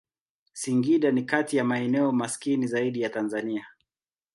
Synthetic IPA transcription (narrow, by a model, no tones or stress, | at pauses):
siŋɡiɗanikatijamaɛnɛɔmaskinizaiɗijatanzania